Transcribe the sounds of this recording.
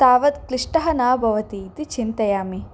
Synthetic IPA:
t̪aːʋɐt̪kliʂʈɐɦɐnaːbʱɐʋɐt̪it̪it͡ʃint̪ɐjaːmi

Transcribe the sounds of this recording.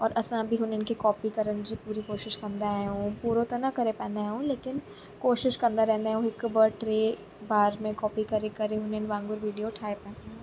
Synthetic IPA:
ɔːɾʔɐsãbʱiɦʊnɪnkikɔːpikɐɾənd͡ʒipuːɾikoːʃɪʃkɐɾnd̪aɦũːpuːɾot̪ɐnakɐɾepɛ̃ːnd̪aɦɦũleːkɪn | koːʃɪʃkɐ̃nd̪aɾɛɦnd̪aɦõɪkbɐɾʈɾeː | baːɾmẽkɔːpikɐɾekɐɾeɦʊneɪnʋãːŋɡʊɾʋiːɖijoʈʰaːepɛ̃ːn

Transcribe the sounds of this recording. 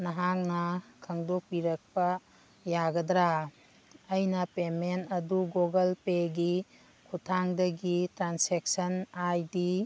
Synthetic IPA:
nɐɦaŋnɐkʰɐŋdɔk̚piɾɐk̚pɐ | jaɡɐdɾa | ɐjnɐpementɐduɡoɡɐlpeɡi | kʰutʰaŋdɐɡitɾansek̚sɐnajdi

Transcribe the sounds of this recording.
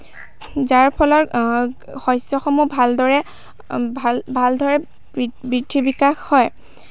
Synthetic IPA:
zaɹpʰɔlɔɹ | xɔjsɔxɔmubʱaldɔɹɛ | bʱaldʱɔɹɛ | bɹidʱibikaxhɔj

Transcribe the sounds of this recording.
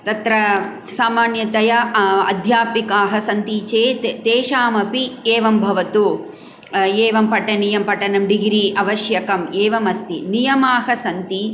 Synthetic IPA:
t̪ɐt̪ɾɐ | saːmaːnjɐt̪ɐjɐɐ̰d̪ʱjaːpikaːɦɐsɐnt̪it͡ʃeːt̪et̪eːʃaːmɐpieːʋɐmbʱɐʋɐt̪u | eːʋɐmpɐʈɐnijɐmpɐʈɐnɐmɖiɡɾiʔɐʋɐʃjɐkɐmeːʋɐmɐst̪inijɐmaːɦɐsɐnt̪i

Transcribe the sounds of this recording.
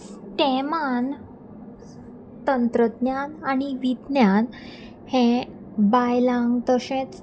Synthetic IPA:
ʈeman | t̪ənt̪ɾəd̪njananiʋid̪njan | hẽ | bajlãŋɡt̪əɕẽt͡s

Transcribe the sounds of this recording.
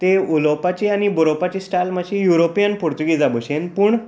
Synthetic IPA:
t̪eulopat͡ɕianiboɾopat͡ɕiːsʈalmaɕijuɾopijənpuɾt̪uɡid͡zabəɕenpuːɳ

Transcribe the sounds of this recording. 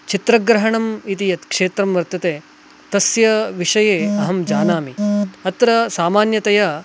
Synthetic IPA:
t͡ʃit̪ɾɐɡɾɐɦɐɳɐmit̪ijɐt̪kʂeːt̪ɾɐmʋɐɾt̪ɐt̪eː | t̪ɐsjɐʋiʂɐjeːɐɦɐmd͡ʒaːnaːmiɐt̪ɾɐsaːmaːnjɐt̪ɐjɐ

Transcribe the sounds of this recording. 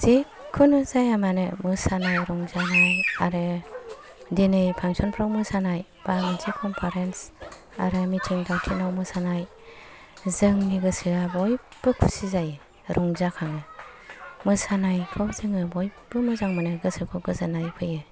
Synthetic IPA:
z̥e | kʰɯnɯzajamanɯmɯsanajɾɔŋzanɯjaɾɯ | dinɯjpʰaŋsɔnpʰɾɔkmɯsanaj | b̥amɯntʰikʰɔmpʰaɾens | a̰ɾɯmitʰiŋdawtʰinɔwmɯsanaj | zɯŋniɡɯsɯabɔjb̥ɯkʰusizajɯ | ɾʔɔŋzakʰaŋɯ | mɯsanajkʰɯzɯŋɯbɔjb̥ɯmɯzaŋmɯnɯɡɯsɯkʰɯɡɯzanajkʰɯjɯ

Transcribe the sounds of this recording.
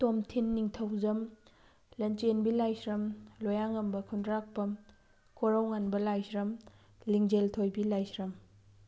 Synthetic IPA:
tomtʰinːiŋtʰɐwzɐm | lɐnt͡ʃenbilajsɾɐmlojaŋɐmbɐkʰundɾak̚pɐm | kʰoɾawŋanbɐlajsɾɐm | liŋd͡ʒeltʰojbilajsɾɐm

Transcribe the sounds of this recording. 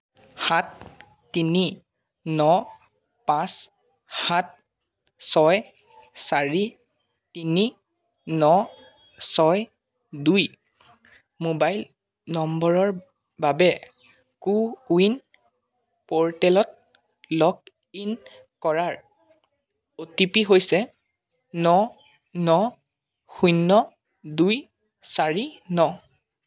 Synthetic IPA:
hatː | ini | nɔ | pãs | hat̚ | sɔj | saɹi | tini | nɔ | sɔj | duj | mobajl | nɔmbɔɹɔɹ | babɛ | kuuin | pɔɹtɛlɔt̚ | lɔk̚ | in | kɔɹaɹ | otipiɦojsɛ | nɔ | nɔ | xujnːɔ | duj | saɹinɔ

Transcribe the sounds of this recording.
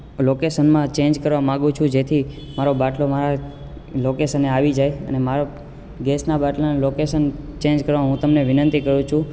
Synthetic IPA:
lokesənmãt͡ʃẽnd͡ʒkəɾʋamãɡũt͡ʃʰũd͡ʒet̪ʰi | maɾobaʈlomaɾa | lokesəneaʋid͡ʒajə̰nemaɾo | ɡesnabaʈlanlokesənt͡ʃẽnd͡ʒkəɾʋamɦũt̪əmneʋɪnə̃nt̪ikəɾjũt͡ʃʰũ

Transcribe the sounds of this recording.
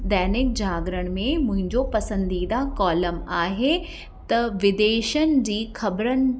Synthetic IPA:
d̪ɛːnɪk̚d͡ʑaːɡɾəɽ̃mẽmʊ̃ɦɪ̃ɲd͡ʑopɐsə̃nd̪iːd̪akɔːləmaːɦe | t̪ɐʋɪd̪eːʃənd͡ʑiːxɐbɾənɪ̆

